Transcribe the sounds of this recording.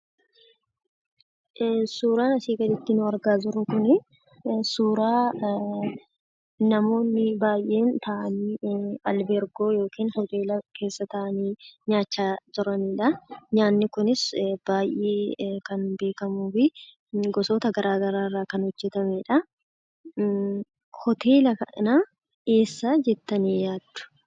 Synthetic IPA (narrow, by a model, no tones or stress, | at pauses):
suːɾaːnɐsiːɡɐd̪ɪt̪ːɪnʊɐɾɡaːd͡ʒɪɾʊkʊnɪ | suːɾaː | nɐmo̞ːnːɪbaːjʔe̞ːnt̪ɐʔɐniːɐlbɛɾɡo̞ːjo̞ːkiːnhɔt̪e̞ːlɐke̞ːsːɐt̪ɐʔɐniːɲaːt͡ʃːaːt̪ɔɾɐniːᶑɐɲaːnːɪkʊnɪsb̥aːjʔeːkɐnbe̞ːkɐmuːfɪ | ɡɔsoːt̪ɐɡɐɾʔaːɡɐɾaːrːaːkɐnhɔd͡ʒːɛt̪ɐmɛᶑɐ | hɔt̪ʰe̞ːlɐkɐʔɐnaː | eːsːaːd͡ʒɛt̪ːɐniːjaːd̪ːʊ̥